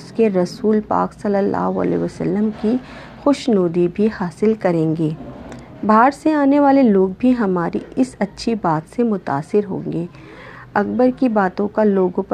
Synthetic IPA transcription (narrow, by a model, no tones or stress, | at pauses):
skeɾɐsuːlpa̰ːksɐlːəlːa̰ːɦoə̰lḛːʋəsə̰lːəmki | xʊʃnoːd̪ibʱihaːsɪlkɐɾẽːŋɡeː | bʱaːɾseaːneʋaːleloːɡbʱiɦɐmaːɾḭʔɪsɐtːʃʰibaːt̪semʊt̪a̰ːsɪɾɦõ̰ːŋ̆ɡeː | ɐk̚bəɾkibaːt̪õkaloːɡõp